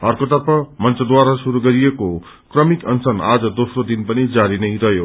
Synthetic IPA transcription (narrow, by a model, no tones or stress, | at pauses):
ʌrkot̪ʌrpʌmʌnt͡sʌd̪waɾasuɾuɡʌɾijeko | krʌmikʌnsʌna̰d͡zʌd̪osrod̪inpʌnid͡zaɾinʌjɾʌɦjo